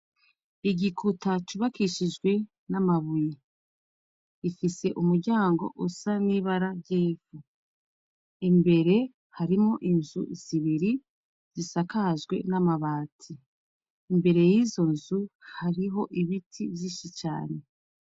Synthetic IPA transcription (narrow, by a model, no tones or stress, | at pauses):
iɟikutat͡ʃuβakiʃid͡ʒɡwe̞ | namaβuje | ifise̞ʔumuɾɟaːŋɡo̞̰ʔusaniβaɾaɾɟiːfu | imbe̞ɾe̞ | haɾimo̞ʔinzṵz̥iβiɾi | z̥isakazɡwe̞̰namaβaːtʰiː | mbe̞ɾe̞jiːzo̞nzuhaɾiɦo̞ʔiβitʰiβjiːʃit͡ʃa̰ːne̞